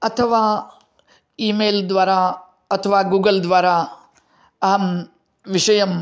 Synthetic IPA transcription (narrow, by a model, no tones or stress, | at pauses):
ɐt̪ʰɐʋaː | iːmeːld̪ʋaːɾaː | ɐt̪ʰɐʋaːɡuːɡɐld̪ʋaːɾaː | ɐɦɐm | ʋiʂɐjɐm